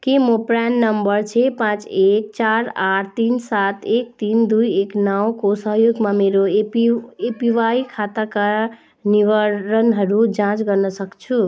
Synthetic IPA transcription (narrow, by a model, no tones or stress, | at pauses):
kimopɾanːəmbəɾt͡ʃʰepãt͡ʃek̚t͡ʃaɾaɾt̪insat̪ek̚t̪ind̪ujeknʌwkosəɦjoɡmameɾo | epiʋaikʰat̪aka | niʋəɾənɦʌɾud͡ʒãt͡ʃɡʌɾnəsəkt͡ʃʰu